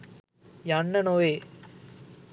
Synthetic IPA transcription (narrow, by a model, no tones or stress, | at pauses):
jaɳːɐnoːe